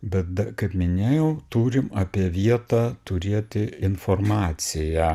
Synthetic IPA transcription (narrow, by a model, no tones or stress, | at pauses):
bʲɛt̪̚d̪ɐkɐɪpmʲɪnʲeːjɛʊt̪uːɾʲɪmɐpʲiɛʋʲiɛt̪ɑːt̪ʊɾʲiɛt̪ʲɪɪnformɑːt̪sʲɪjæ